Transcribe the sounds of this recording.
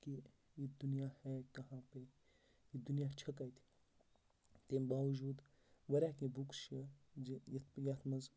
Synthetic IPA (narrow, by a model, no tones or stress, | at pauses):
ki | jid̪unjaːhɛkɐɦãːpe | jid̪unjaːt͡ʃʰɐkɐjt̪ʰi̥ | t̪embaːʋɐd͡ʒuːd̪ | ʋɐɾʲaːkebukʃi | jat̪ʰmɐz